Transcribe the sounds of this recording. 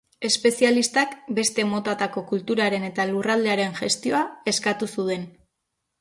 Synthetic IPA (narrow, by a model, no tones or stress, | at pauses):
e̞spe̞sialist̪akbe̞st̪e̞mo̞t̪at̪ako̞kult̪uɾaɾe̞ne̞t̪alurald̪e̞aɾe̞nʝest̪io̞ae̞skat̪usuðe̞n